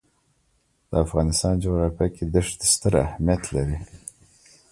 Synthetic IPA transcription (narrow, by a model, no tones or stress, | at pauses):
d̪̥əafɣɑnɪst̪ɑnd͡ʒoɣɾɑfjaked̪əʂd̪əst̪əɾa̰hmijat̪laɾi